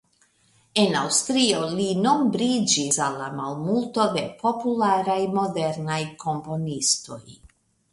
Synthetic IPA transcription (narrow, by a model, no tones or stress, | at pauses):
e̞nawstɾio̞lino̞mbɾid͡ʒisalːamalmulto̞de̞pʰo̞pulaɾajmo̞de̞ɾnajko̞mpo̞nisto̞̰j